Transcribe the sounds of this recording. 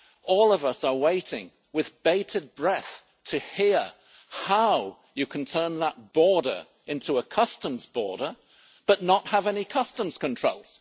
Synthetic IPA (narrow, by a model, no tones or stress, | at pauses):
ɔlˠʌvʌsə˞weɪɾɪ̃ŋ | wɨðbeɪɾɨd̚bɹɛθ | tʰɨhiɹ | haʊ | jɨkʰn̩tʰɜ̃˞nðət̚b̥ɔɹɾə̰˞ | ɪ̃ntʰuəkʰʌstə̃mzbɔ̰ɹɾə˞ | b̥ʌtⁿnət̚həvɛnikʰʌstə̃mz̥kɨ̃ntʰɹ̥oʊlˠz̥